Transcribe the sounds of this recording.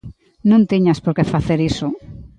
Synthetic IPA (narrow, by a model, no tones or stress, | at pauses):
nũnt̪iɲaspoɾkefaθeɾiso